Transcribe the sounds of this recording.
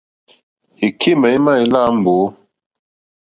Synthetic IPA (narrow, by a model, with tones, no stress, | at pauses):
i˨kʰi˦mɛ˨i˦ma˦˨i˨la˦m̩˨bo˨˦